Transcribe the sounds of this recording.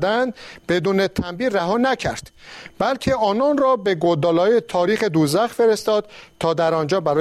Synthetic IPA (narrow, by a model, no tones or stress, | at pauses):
d̪ænd̪be̞d̪uːne̞t̪ʰæmbiːræɦɒːnæcʰæɾd̪̥bælcʰe̞ʔɒːnɒːnrɒːbe̞ɡod̪ɒːlɒːjet̪ʰɒːɾiːχe̞d̪uːzæxfe̞ɾest̪ɒːd̪̥t̪ʰɒːd̪æɾɒːnd͡ʒɒːbæɾɒː